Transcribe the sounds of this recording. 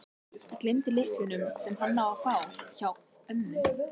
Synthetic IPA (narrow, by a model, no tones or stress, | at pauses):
ɪklɪmt̪ɪlɪhfʏnʏmsɛmɦanːaafaːwçaw | œmnʏ